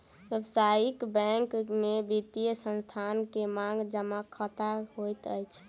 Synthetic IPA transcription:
ʋjəbsaikbɛ̃ŋkmebit̪ijəsənst̪ʰankemaŋɡd͡ʒəmakʰət̪aɦojt̪əjt͡ʃʰ

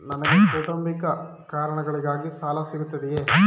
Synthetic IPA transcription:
nɐnɐɡepoːʈɐmpikɐ | kaːɾɐɳɐɡɐɭiɡaːɡisaːlɐsiɡut̪ːɐd̪ɛjeː

